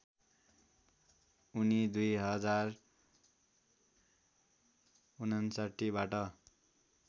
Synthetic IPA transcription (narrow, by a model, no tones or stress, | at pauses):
unid̪ujɦʌd͡zar | unʌnsʌʈːibaʈʌ